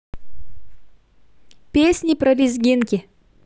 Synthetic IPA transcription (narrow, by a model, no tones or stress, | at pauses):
pʲesʲnʲɪpɾɐlʲizɡʲinkʲɪ